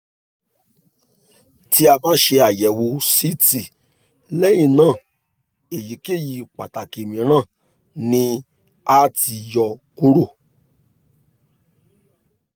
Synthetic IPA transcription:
ti˦a˧bã˦ʃe˧a˨jɛ˨wo˧˦si˦ti˨ | lɛ˦jĩ˦˨nãː˦˨ | e˨ji˨˦ke˦˨ji˧k͡pa̰˨ta˨ke˨mĩ˨˦ɾ̃ãː˦˨ | nĩ˧ | a˦ti˧jɔ˧ku˦ɾo˦˨

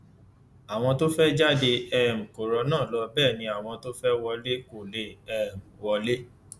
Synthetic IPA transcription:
a˨w̃ɔ̃˧to˦fɛ˦d͡ʒa˦de˧ɛ˦˨m̩̃˨ko˨ɾɔ˧˦nãː˦˨lɔ˧bɛː˦˨nĩ˧a˨w̃ɔ̃˧to˦fɛ˦wɔ˧le˦ko˨le˧˦ɛ˦˨m̩˨wɔ˧le˦

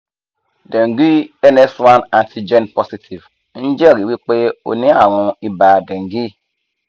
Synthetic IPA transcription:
de˨ŋ˨ɡi˦e˦ne˦sa˦na˨ntʰi˦d͡ʒe˦npɔ˦si˦tʰi˨v | n̩˦d͡ʒe˦˨ɾi˨wi˦k͡pe˦o̰˨ni˦a˦˨ɾũ˦i˦ba˨de˨ŋ˨ɡi˦

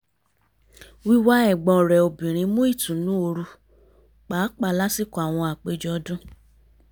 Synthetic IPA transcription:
wi˦wa˦ɛ˦˨ɡ͡bɔ̃˧˨ɾɛ˨o˨bĩ˨ɾ̃ĩ˨˧˦mũ˦i˦˨tũ˨nũ˦o˧ɾu˧ | k͡pa˨˦k͡pa˦˧˨la˦si˦˨kɔ˨a˨w̃ɔ̃˧a˨k͡pe˨˧d͡ʒɔ˧˦dũ˦

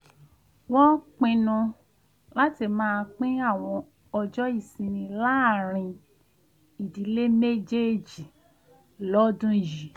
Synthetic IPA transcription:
wɔ̃˦k͡pĩ˧nũ˧ | la˦ti˧˨mãː˦˧k͡pĩ˦a˦˨w̃ɔ̃˧ | ɔ˧d͡ʒɔ˦i˦˨sĩ˧nĩ˧la˦˨ɾ̃ĩ˧ | i˨di˨˦le˦me˦d͡ʒe˦d͡ʒi˨ | lɔ˦dũ˦ji˨

